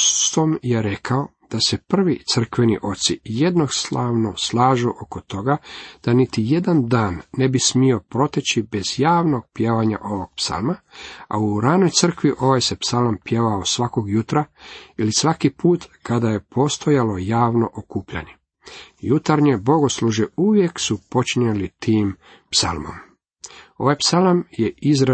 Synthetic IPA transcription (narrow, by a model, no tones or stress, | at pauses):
t̪omjeɾe̞kʰao̞ | d̪̥ase̞pr̩ʋit̪sr̩kʋe̞nḭʔo̞t̪sije̞d̪no̞st̪lˠaːʋnoslˠaːʒuʔokot̪o̞ɡad̪̥anit̪ije̞d̪and̪aːnːe̞bismio̞pɾo̞t̪et͡ɕibe̞zjaːʋno̞ɡ̥̚pjeʋaɲa̰ʔo̞ʋo̞ɡ̥̚psa̰lˠmaa̰uɾano̞jt̪sər̩kʋiʔo̞ʋajsepsalampjeʋaosʋako̞ɡjut̪ɾailisʋakipʰuːt̪kad̪aje̞pʰo̞st̪o̞jalo̞jaːʋno̞ʔokuːpʎa̰ɲe̞ | jut̪aɾɲe̞bo̞ɡo̞sluʒeuʋje̞ksupo̞t͡ʃiɲelit̪iːm | psa̰lˠmo̰m | o̞̰ʋajpsalamjeizɾ